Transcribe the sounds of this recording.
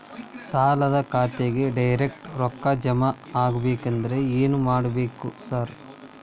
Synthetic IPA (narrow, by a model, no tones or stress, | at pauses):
saːlɐd̪ɐkʰaːt̪eɡe̞ɖɐjɾek̚ʈɾɔkːɐd͡ʒɐmɐ | aːɡɐbeːkɐnd̪ɐɾe̞eːnumaːɽɐbe̞ːkusaːɾ